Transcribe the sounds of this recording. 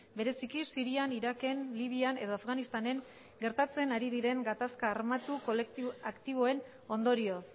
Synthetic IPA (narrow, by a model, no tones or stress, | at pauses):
be̞ɾe̞sikisiɾianiɾake̞nliβ̞iane̞ðo̞afɡanist̪ane̞ŋ | ɡe̞ɾt̪at͡se̞naɾið̞iɾe̞ŋɡat̪askaːɾmat̪ukolakt̪iβ̞o̞e̞n | o̞nd̪o̞ɾio̞